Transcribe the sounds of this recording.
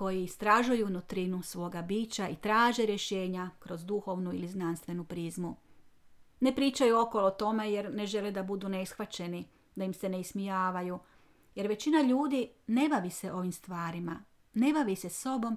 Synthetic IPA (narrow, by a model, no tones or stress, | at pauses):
ko̞jiist̪ɾaʒujunut̪ɾinusʋo̞ːɡabiːt͡ɕait̪ɾaːʒe̞ɾje̞ʃe̞ːɲakɾo̞zd̪uxo̞ʋnuiliznanst̪ʋe̞nupɾizmu | ne̞pɾiːt͡ʃajuo̞kolˠot̪o̞me̞je̞ɾne̞ʒe̞led̪abud̪uneisxʋat͡ɕe̞ni | d̪aimse̞neismijaːʋaju | je̞ɾʋe̞t͡ɕinaʎuːd̪ine̞baʋise̞ʔo̞ʋimst̪ʋaːɾima | ne̞baʋiseso̞bo̞m